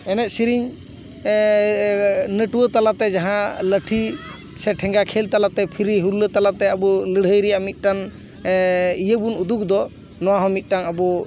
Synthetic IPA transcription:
ɛnɛt̪̚siɾiɲ | nəʈuwət̪alat̪ɛd͡ʒaɦãləʈʰi | sɛʈʰɛ̃ŋɡakʰɛlt̪alat̪ɛpʰiɾiɦuɾulət̪alat̪ɛəbɔləɽ̤əjɾɛjaʔmit̪̚ˀʈan | ijəbunud̪uk̚d̪ɔ | nɔwaɦɔ̃mit̪̚ˀʈanabɔ

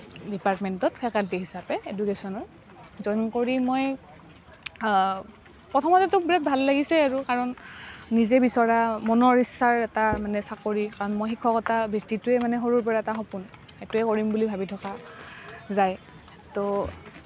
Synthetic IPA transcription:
dipaɹtmɛntɔtpʰɛkaltiɦisapɛedukesɔnɔɹ | zɔjnkoɹimoj | pɹɔtʰɔmɔtɛtʊbiɹat̚bʱalːaɡisɛaɹukaɹɔnːizɛbisɔɹamɔnɔɹisːaɹɛtamanɛsakoɹikaɹɔnmɔjxikʰːɔkɔtabʱiktituɛmanɛɦoɹuɹpɔɹaɛtaɦɔpun | etuɛkoɹimbulibʱabitʰɔka | zaj | to

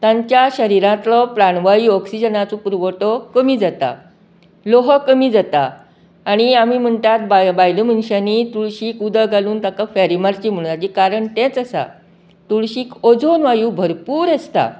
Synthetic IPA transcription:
t̪ãɲt͡ɕjaɕəɾiɾãt̪lɔpɾaɳʋaiːɔksid͡ʑənat͡sũpuɾʋəʈɔkəmiːd͡zat̪a̰ | loɦɔkəmiːd͡zat̪aː | ɽ̃iamiːm̤əɳt̪at̪̚bbajləm̤ənɕanit̪uɭɕiːkud̪əɡʱaluːnt̪akafɛɾimaɾt͡ɕiːm̤əɽ̃at͡ɕikaɾəɳt̪ɛ̃t͡səsa̰ | t̪uɭɕiːkod͡zonʋajuːbʱəɾpuːɾest̪a̰

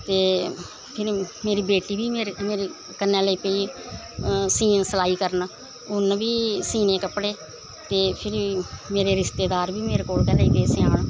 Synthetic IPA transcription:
t̪eː | pʰɪɾmeːɾiːbeːʈiːbiːmeːɾmeːɾeː | kənːẽːləiːpəiː | siːnsəlaːiːkəɾn | ʊnbiːsiːnẽːkəpɽeː | t̪eːpʰɪɾmeːɾeːɾɪst̪eːd̪aːɾbiːmeːɾeːkoːlkɛːlaːiːd̪eːseãːɳ

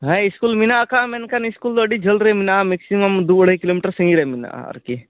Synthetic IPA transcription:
ɦɐ̃iskulminaːkamenkaniskuld̪aɖid͡ʒɐlɾɐeminameksimɐmd̪ubɐɽ̤ikiloːmiʈəɾsə̃ŋɡiɾemina̰ɐ̰ɾki

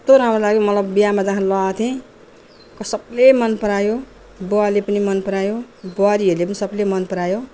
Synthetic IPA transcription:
t̪oɾamrolaɡjmʌt̪lʌbːijamad͡zãɦãlʌat̪ʰẽ | kʌsʌblemʌnpʌɾajo | boalepʌnimʌnpʌɾajoboaɾiʌɾlepʌnisʌblemʌnpʌɾajo

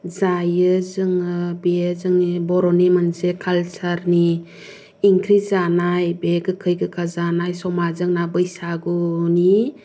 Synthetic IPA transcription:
zajɯzɯŋɯbeezɯŋnibɔɾɔnemansekʰalsaɾniː | ŋkʰɾizanajbeɡɯkʰɯjɡɯkʰazanajsɔmazɯŋnabɯjsaɡuni

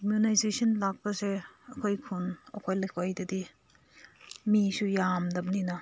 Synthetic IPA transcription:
imjunajzesɐnlak̚pɐseɐkʰojkʰunɐkʰojlekʰojdɐdi | misujamdɐbninɐ

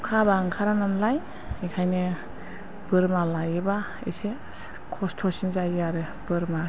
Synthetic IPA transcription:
kʰabaŋkʰaɾanamlaj | ikʰajnɯ | b̥ɯɾmalajɯba | ḛse | kʰɔstʰɔsinzajaɾɯ | bɯɾma

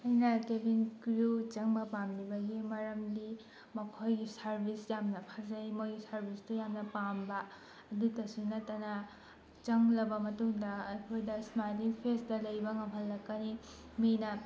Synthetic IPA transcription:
ɐjnɐkebinkɾut͡ʃɐŋbɐpamlibɐɡimɐɾɐmdi | mɐkʰojɡisɐɾbʱisjamnɐpʰazɐjmojɡisɐɾbʱistujamnɐpambɐ | ɐdutɐsunɐtːɐna | t͡ʃɐŋlɐbɐmɐtuŋdɐːkʰojdɐsmajliŋpʰesdɐlɐjbɐŋɐmɦɐlːɐkːɐni | minɐ

